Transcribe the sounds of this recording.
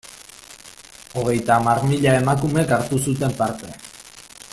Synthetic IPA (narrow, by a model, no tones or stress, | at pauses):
o̞ɣ̞e̞jt̪aːmaɾmiʎae̞makume̞kaɾt̪usut̪e̞mpaɾt̪e̞